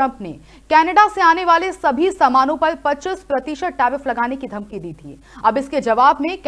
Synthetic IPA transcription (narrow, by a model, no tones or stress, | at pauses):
ə̃mpnḛ | kɛːnəɖaseaːneʋaːlesɐbʱisɐmaːnõpɐɾpɐtːt͡ʃɪspɾɐt̪iʃəʈ̚ːaːɾɪflɐɡaːnekid̪ʱɐmkid̪iːt̪ʰḭː | ɐbɪsked͡ʒɐʋaːbnek